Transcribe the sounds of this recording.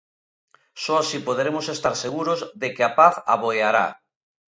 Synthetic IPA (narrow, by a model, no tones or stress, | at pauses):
sɔasipoðeɾemosest̪aɾseɣuɾozðekeapaθa̰βojaɾa̰